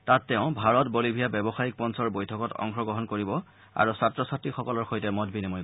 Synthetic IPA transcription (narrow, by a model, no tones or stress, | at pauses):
tatːɛʊ̃bʱaɹɔtbolibʱijabɛbɔxajik̚pɔnsɔɹbojtʰɔkɔtɔ̰ŋxɹɔɡɹɔɦɔnkoɹibɔ | a̰ɹusatɹɔsatɹixɔkɔlɔɹxojtɛmɔdbinimoj